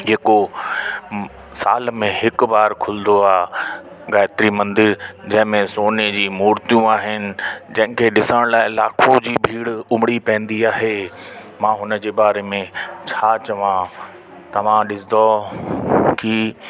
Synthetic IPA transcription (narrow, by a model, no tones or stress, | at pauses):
ɦeːko | sa̰ːlmẽɦɪk̆baːɾkʰʊlɪd̪oaː | ɡaːɪt̪ɾimɐ̃nd̪ɪɾd͡ʑɐ̃ɦɪ̃mẽsoːned͡ʑiːmuːɾt̪ijũaːɦɪnɪ̆d͡ʑɐ̃ɦɪ̃kʰeɗɪsəɽ̃laːɪlaːkʰod͡ʑiːbʱiːɽʊmɽipɐ̃ɪ̃nd̪iaːɦemãːɦʊnəd͡ʑeːbaːɾemẽt͡ɕʰaːt͡ɕɐʋã | t̪ɐʋ̤ãɗɪsd̪o | ki